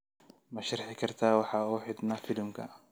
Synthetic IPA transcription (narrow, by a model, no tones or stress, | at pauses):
mɐʃɐrħɪkʰɐrt̪ʰaːwɑħɑːuːħɪd̪nɐfɪd̪ɪmkʰɐ̰